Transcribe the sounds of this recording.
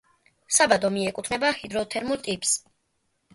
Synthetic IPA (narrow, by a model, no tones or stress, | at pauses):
sabad̪ɔmiɛkʼut̪ʰnɛbahid̪ɾɔt̪ʰɛɾmuɾt̪ʼipʼs